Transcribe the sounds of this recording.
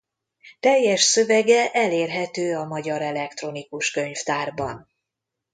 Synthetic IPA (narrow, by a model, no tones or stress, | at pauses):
t̪ɛjːɛʃsøvɛɡɛʔɛleːrɦɛt̪øːɒmɒɟɒɾɛlɛkt̪ro̞nikuʃkø̞ɲft̪aːrbɒn